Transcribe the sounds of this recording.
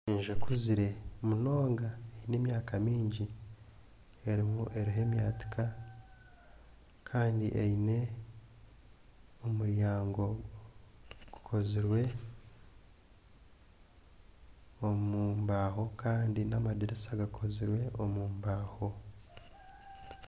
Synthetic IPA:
iːnʒekʰuziɾe̞muno̞ːŋɡaeine̞ːmjaːkamiːɲɟi | e̞ɾimuʔe̞ɾiɦe̞ːmjaːti̥kʰa | kʰaːndḭʔeine̞ | omuɾjaːŋɡo̞ | ɡ̥u̥kʰo̞ziɾwe̞ | omuːmbaːɦo̞kaːndinamadiɾesaɡakʰo̞ziɾwe̞ʔomuːmbaːho̞

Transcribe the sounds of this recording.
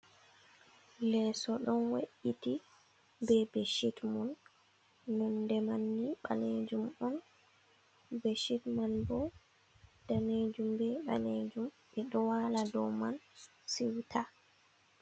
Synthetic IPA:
lɛsɔɗɔnwaʔiti | bɛbɛʃitmɔnː | ɔndɛmanːiɓa̰ned͡ʒumɔn | bɛʃitmanbɔ | d̥aned͡ʒumbɛɓa̰ned͡ʒumɓɛɗɔwaladɔwman | siwtʰa

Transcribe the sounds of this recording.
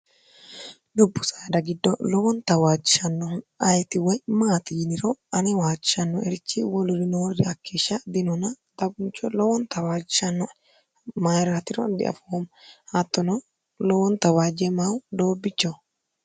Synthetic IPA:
d̪ʊbːʊsɐjd̪ɐɡɪd̪ːɔlɔwɔnt̪ɐwaːd͡ʒɪʃɐnːɔɐjt̪ɪwɔjmaːt̪ɪjɪnɪɾɔɐnɛwaːd͡ʒɪʃɐnːɔɛɾɪt͡ʃːɪwɔlʊɾɪnɔwɔrːɪɐkːeːʃːɐd̪ɪnɔnɐ | t̪ɐɡʊnt͡ʃːɔlɔwɔnt̪ɐwaːd͡ʒɪʃɐnːɔ | majɾɐt̪ɪɾɔ̰d̪ɪ̰ɐ̰fɔwɔmhɐt̪ːɔnɔ | lɔwɔnt̪ɐwaːd͡ʒɛmawd̪oːbːɪt͡ʃːɔ

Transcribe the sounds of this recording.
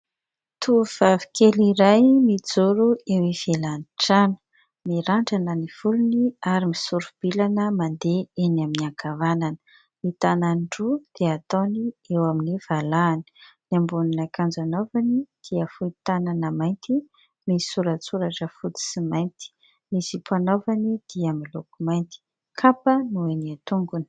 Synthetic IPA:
t̪ʰuv̥avi̥keliɾajmid͡zuɾuewiv̥elaniʈ͡ʂanə̥ | miɾaɳɖ͡ʐanəniv̥uluniaɾimisuɾub̥ilanəmand̪eenaminaɡavanan | mit̪ananɖ͡ʐud̪̥eat̪oniewaminiv̥alaːni̥nambuninakand͡zanovanid̪̥iəfuit̪ananəmajnt̪i | misuɾət͡suɾaʈ͡ʂəfud̪i̥simajnt̪i̥ | misipʰanovanid̪̥iamilukumajnt̪i̥ | kʰapənueniat̪uŋɡuni̥

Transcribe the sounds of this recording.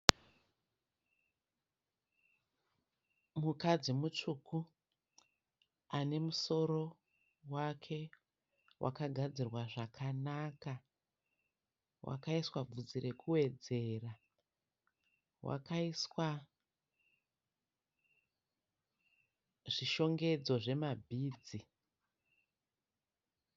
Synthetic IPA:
mukad͡zimut͡ʂukʰu | ane̞muso̞ɾo̞ | wakʰe̞ | wʔa̰kaɡʱad͡zirwaʐakʰanaːka | wʔa̰kaiswab͡vud͡zire̞kʰuwe̞d͡ze̞ːra | wʔa̰kaiswa | ʐiʃo̞ŋɡe̞d͡zo̞ʐe̞mabʱiːd͡zi

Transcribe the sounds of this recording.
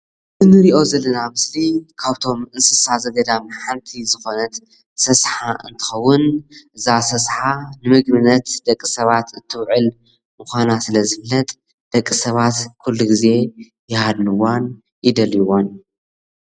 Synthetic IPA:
ʔɨzɨnɨɾiʔo̞zɐlːɐnamɨslikʰaβt̪ʰo̞mɨnsɨsazɐɡɐd̪amħant̪ʰizɨxo̞nɐt̪ | sɐsħaʔɨ̰nt̪ʰɨ̥xɐwːʊnʔɨzasɐsħanɨmɨɡmɨnɐt̪d̪̥ɐkʼːisɐβat̪ɨt̪ʰːɨwʕɨl | mɨxʷanasɨlɐzɨflɐt̪ʼ | d̪̥ɐkʼːisɐβat̪kʰulːuɡize̞ | jɪhad̪nɨwan | jɪd̪ɐljiwon

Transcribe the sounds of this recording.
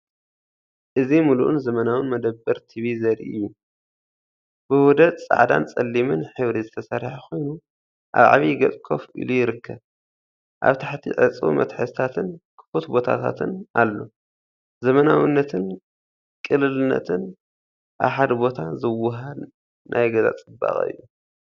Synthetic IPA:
ʔɨzimuluʔunzɐmɐnawɨnmɐd̪ɐbːɐɾt̪ʰiβizɐɾḭɨ̰jːu | b̥ɨwɔd̪ɐt̪t͡sʼa̰ʕd̪a̰nt͡sʼɐlːimɨnħɨβɾizɨt̪ʰɐsɐɾħaxo̞jnu | ʔa̰βʕa̰βiɡɐtʼkʼʰo̞fʔḭlujɪɾɨkːɐβ | ʔa̰βt̪ʰaħt̪ʰḭʕɨ̰t͡sʼṵmʔɐ̰t̪ħɨsɨt̪ʰat̪ʰɨnkʰɨ̥fot̪bo̞t̪ʰa̰t̪ʰa̰t̪ʰɨnalːo̞ | zɐmɐnawinːɐt̪ʰɨn | kʼɨlɨlɨnːɐ̰t̪ʰɨn | ʔa̰βħad̪bo̞t̪ʰazɨwʊɦɐd | nʔajɡɐza̰t͡sʼɨbːa̰χʼɨ̰jːu

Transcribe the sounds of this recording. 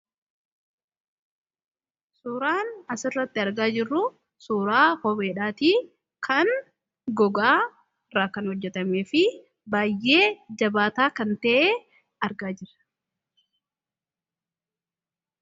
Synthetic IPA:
suːɾaːnɐsɪrːɐt̪ːɪɐɾɡaːd͡ʒɪrːʊ | suːɾaːhɔbe̞ːᶑaːt̪iː | kʰɐŋ | ɡɔɡaː | raːkɐnhɔd͡ʒːɛt̪ɐmeːfɪ | baːjːe̞ːd͡ʒɐbaːt̪aːkɐnt̪ɐʔeː | ɐɾɡaːd͡ʒɪrːɐ̥

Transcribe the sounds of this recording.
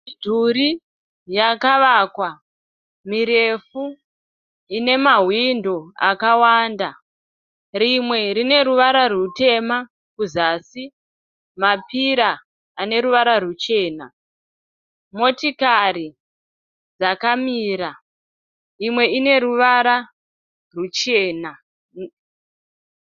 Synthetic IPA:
dʱuɾi | jakaʋakwa | miɾe̞fu | ine̞maɦwindoa̰kawaːnda | ɾimwe̞ɾine̞ɾuʋaɾarute̞ma | kuzaːsi | mapiɾaː | ne̞ɾuʋaɾarut͡ʃe̞ːna | mo̞tikari | d͡zakamiːɾa | imwe̞ine̞ɾuʋaɾa | rut͡ʃeːna

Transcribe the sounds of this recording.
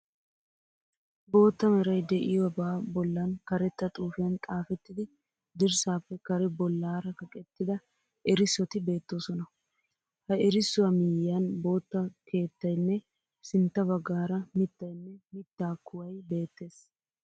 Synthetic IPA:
bo̞ːt̪ːɐmɛɾɐjd̪ɛʔɪwɐbaːbɔlːɐnkɐɾɛt̪ːɐt̪ʼuːfɪjɐnt̪ʼaːfɛt̪ːɪd̪ɪ | d̪ɪɾsaːpːɛkɐɾɛbɔlːaːɾɐkɐkʼɛt̪ːɪd̪ɐ | ɛɾɪsːɔt̪ɪbe̞ːt̪ːo̞ːsɔnɐ | hɐɛɾɪsːʊwɐmɪjːɐnbo̞ːt̪ːɐke̞ːt̪ːɐjnːɛ | sɪnt̪ːɐbɐɡːaːɾɐmɪt̪ːɐjnːɛmɪt̪ːaːkːʊwɐjbe̞ːt̪ːe̞ːs

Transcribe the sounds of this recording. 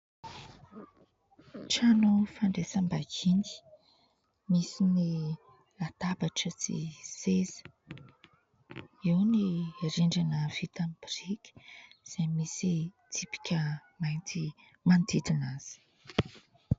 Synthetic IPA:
ʈ͡ʂanufaɳɖ͡ʐesambakini̥ | misini | lat̪abaʈ͡ʂət͡sḭsezə̥ | iwniriɳɖ͡ʐanəv̥it̪ambirikʲi̥z̥ejmisi | t̪ipi̥kʲʰəmajnt͡si | mand̪it̪inaz̥i̥

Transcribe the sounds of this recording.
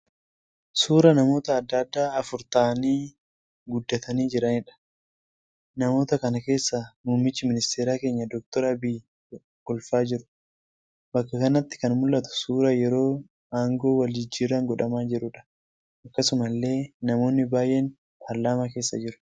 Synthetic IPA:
suːɾɐnɐmo̞ːt̪ɐːd̪ːɐd̪ːaːɐfʊɾt̪aniː | ɡʊd̪ːɐt̪ʰɐniːd͡ʒɪɾɐnɪᶑɐ̥ | nɐmo̞ːt̪ɐkɐnɐke̞ːsːɐmuːmɪt͡ʃːɪmɪnɪst̪eːɾaːke̞ːɲːɐd̪ɔk̚t̪ɔɾɐbiː | kɔlfaːd͡ʒɪɾʊ̥ | bɐkːɐkɐnɐt̪ːɪ̥kɐnmʊlːɐt̪ʊ̥suːɾɐjɛɾo̞ː | aːŋɡo̞ːwɐld͡ʒɪd͡ʒːiːɾɐŋɡɔᶑɐmaːd͡ʒɪɾʊᶑɐ̥ | ʔɐkːɐsʊmɐlːe̞ːnɐmo̞ːnːɪbaːjʔɛn | pʰɐɾlaːmaːke̞ːsːɐd͡ʒɪɾʊ̥

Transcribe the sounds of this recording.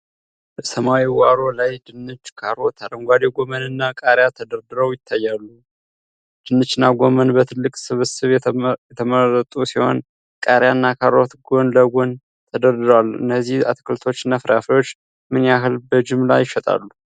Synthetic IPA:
bəsəmawiwaɾo̞lajd̪ɨnːɨt͡ʃːkʰaɾot̪ʰaɾəŋɡʷad̪eɡo̞mənɨnːakʼaɾjat̪ʰəd̪əɾd̪ɨɾəwjɪt̪ʰːajːalːu | d̪̥ɨnːɨt͡ʃːnːaɡo̞mənbət̪ʰɨlːɨkʼsɨβɨsɨβjɛt̪ʰəməɾət̪ʼusiho̞̰n | kʼaɾjaɨnːakʰaɾo̞t̪ɡo̞nləɡo̞n | t̪ʰəd̪əɾd̪ɨɾwaluɨ̰nːəzːiha̰t̪ʰkʰɨlt̪ʰo̞t͡ʃːnːafɨɾafiwo̞t͡ʃː | mɨnaɦɨlbəd͡ʒɪmla̰jːɪʃɛt̪ʼa̰lːu

